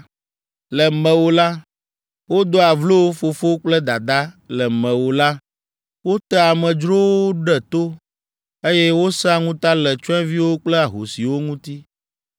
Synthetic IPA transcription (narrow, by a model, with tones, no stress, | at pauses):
lɛ˨mɛ̃˨wo˦la˦ | wo˦d̪o˦a˨vlo˦wo˦fo˨fo˦k͡plɛ˦d̪a˨d̪a˦lɛ˨mɛ̃˨wo˨la˦ | wo˦t̪ɛ˦a˨mɛ̃˨d͡ʒɾo˦wo˦ɖɛ˦t̪o˦ | e˦jɛ˦wo˦sa˦ŋũ˦t̪a˦lɛ˨t͡ʃɔ˦ɛ̃˦vi˦wo˦k͡plɛ˦a˨ɦo˨si˨wo˦ŋũ˦t̪i˦